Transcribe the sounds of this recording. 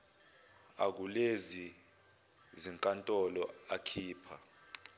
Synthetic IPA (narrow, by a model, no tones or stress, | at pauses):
a̰k̬ulezi | ziŋkʼantʼɔlɔakʰiːpʰa